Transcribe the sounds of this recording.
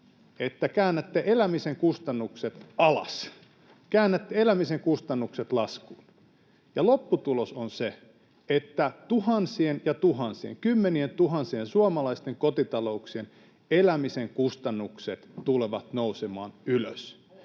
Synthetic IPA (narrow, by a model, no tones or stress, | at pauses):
et̪ːækæːnːæt̪ːeʔelæmiseŋkust̪ɑnːukset̪ɑlɑ̰s | kæːnːæt̪ːeelæmiseŋkust̪ɑnːukset̪lɑskuːn | jɑlopːut̪ulosonse | et̪ːæt̪uhɑnsienjɑt̪uhɑnsiḛŋkymːenient̪uhɑnsiensuɑmɑlɑist̪eŋkot̪it̪ɑlouksien | elæmiseŋkust̪ɑnːukset̪t̪uleʋɑt̪nousemɑ̰ːnyløs